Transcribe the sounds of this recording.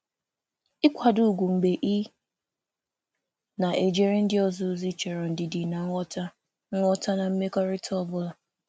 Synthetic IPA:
ɪ˦kʷa˨dʊ˦˨ɡʷu˨ŋ͡m̩˨ɡ͡be˨ʔi˦ | na˨ʔe˨d͡ʒe˨ɾe˦n̩˦dɪ˦ɔ˦zʊ˨˦zi˦t͡ʃe˨ɾɔ˨n̩˨dɪ˨di˨na˨ŋ˦ɔ˦ta˦ | ŋ̩˦ŋʷɔ˦ta˦na˨m̩˦me˦kɔ˦ɾɪ˦tʰɔ˦bʊ˦la˨

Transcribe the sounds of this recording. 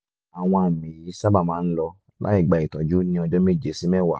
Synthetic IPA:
a˨w̃ɔ̃˧a˨mĩ˨i˧˦sa˦ba˦˨mãː˦n̩˦lɔ˧ | lʔa̰˦i˦˨ɡ͡ba˨i˨tɔ˨d͡ʒu˨˦nĩ˧ɔ˧d͡ʒɔ˦mi˦˨d͡ʒe˨˦si˦mɛ̃˦˨wa˨

